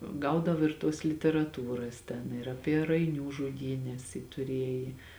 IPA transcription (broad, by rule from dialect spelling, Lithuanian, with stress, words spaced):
ˈɡɐʊdɐw ɪr tuɔs lʲɪtʲɛrɐˈtuːrɐs tʲɛn ɪr ɐˈpʲiɛ rɐɪˈnʲuː ʒʊˈdʲiːnʲɛs jɪ tʊˈrʲiɛjɪ